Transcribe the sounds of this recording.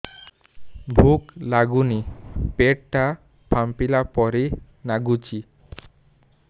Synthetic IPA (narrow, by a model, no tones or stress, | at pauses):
bʱuklaɡunipeʈʈa | pʰampilapɔɾe | naɡut͡ʃi